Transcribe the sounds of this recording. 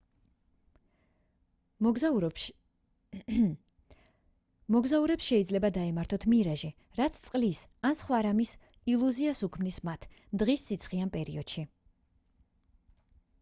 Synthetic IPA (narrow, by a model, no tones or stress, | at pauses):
mɔɡzauɾɛpsʃɛid̪zlɛbad̪aimaɾt̪ʰɔt̪ʰmiɾaʒi | ɾat̪sʰt̪sʼqʼlisansχwaɾamis | ilˠuziasukʰmnismat̪ʰ | d̪̥ʁisːit̪sʰχianpʼɛɾiɔd̪̥ʃi